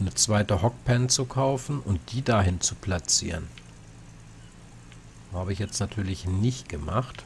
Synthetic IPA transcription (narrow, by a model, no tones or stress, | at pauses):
nət͡sv̥aɪtəhɔk̚pʰɛnt͡sukʰaʊfn̩ʊnt̚d̥iːdaɦɪnt͡supʰlat͡sḭːʁən | haːbəɪçjɛt͡stnatʰyːɐlɪçnɪçt̚ɡ̥əma̰χt